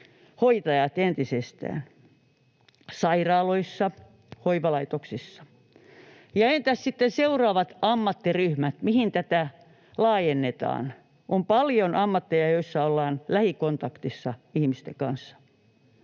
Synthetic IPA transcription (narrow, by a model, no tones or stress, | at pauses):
hoit̪ɑjɑt̪ent̪isest̪æ̰ːn | sɑirɑːloisːɑ | hoiʋɑlɑit̪oksisːɑ̥ | jɑent̪æssit̪ːenseuroɑːʋɑt̪ɑmːɑt̪ːiryhmæt̪mihint̪æt̪æ | lɑːjenːet̪ɑ̰ːn | ʔompɑljonʔɑmːɑt̪ːejɑjoisːɑolːɑːnlæhikont̪ɑkt̪isːɑihmist̪ḛŋkɑnsːɑ̥